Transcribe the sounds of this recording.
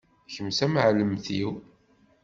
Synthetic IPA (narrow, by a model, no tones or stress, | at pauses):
çəmsæməʕləmθiw